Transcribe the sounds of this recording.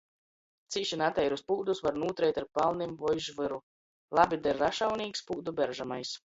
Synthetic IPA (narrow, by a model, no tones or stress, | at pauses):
t̪siːʃinat̪ɛjɾuspuːd̪usvaɾnuːt̪ɾɛjt̪aɾpalˠnimvɔjʒvɨɾu | lˠabʲid̪ɛɾːaʃawniːkspuːd̪ubʲɛɾʒamajs